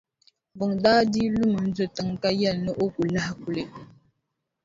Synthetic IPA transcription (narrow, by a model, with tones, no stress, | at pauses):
bə˨ŋdaː˦di˦lu˦mə˨n̩˦d͡zə˨tə˨ŋka˦ja˦˨nə˦ʔo˦ku˨la˦hku˨le˨